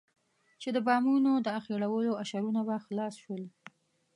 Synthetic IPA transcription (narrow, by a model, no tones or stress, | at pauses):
t͡ʃed̪əbɑmunod̪əaxeɽawəloaʃaɾunabaxlɑsʃwəl